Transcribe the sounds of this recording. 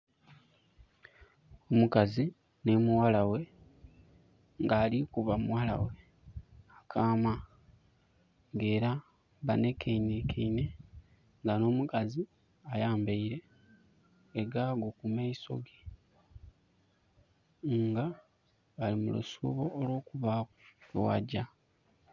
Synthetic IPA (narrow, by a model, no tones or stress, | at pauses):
omukazi | ne̞muwalawe̞ | ŋɡaːlikuβamuwala̰we̞ | akʰaːma | ŋɡe̞ːɾa | βane̞kʰeinikʰiine̞ | ŋɡano̞ːmukazi | ajaːmbeiɾe̞ | ɡaɡokumaiso̞̰ɡi | ŋɡa | βalimulṵsṵβo̞ːlwo̞ːkuβalowa̰ɟa